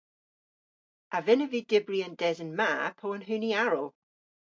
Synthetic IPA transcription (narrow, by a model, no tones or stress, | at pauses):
avɪnəvidɪbriəndɛzənmaːpʰoənɦʉːniaɹəlˠ